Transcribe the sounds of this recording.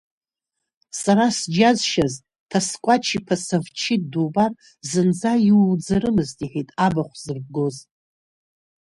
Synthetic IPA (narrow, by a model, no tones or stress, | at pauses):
saɾasd͡ʒazʃaz | tʰaskʷʼat͡ʃʰipʰasavt͡ʃʰit̚ʼdubar | zɨnd͡zaiwwd͡zaɾɨmɨztʼiħitʼabaχʷz̥ɨrb̚ɡo̞z